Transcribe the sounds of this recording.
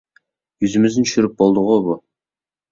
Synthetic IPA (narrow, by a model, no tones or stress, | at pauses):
jɵzɪmɪzɪnʃʏɾɪp̚bolˠd̪əʁobʊ